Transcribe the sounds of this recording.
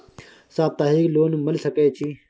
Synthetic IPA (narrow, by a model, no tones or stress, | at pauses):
saːt̪aːɦiːkloːnuməlsəkeːt͡ʃʰiː